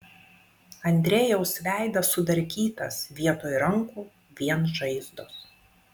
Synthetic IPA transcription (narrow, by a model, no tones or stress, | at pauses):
ɐnʲd̪ʲɾʲeːjɛʊsʋʲæˑɪd̪ɐsʊd̪ɐɾʲkʲiːt̪ɐ̰sʋʲiɛt̪oːjɾɐŋkuː | ʋʲiɛnʒɐɪzd̪os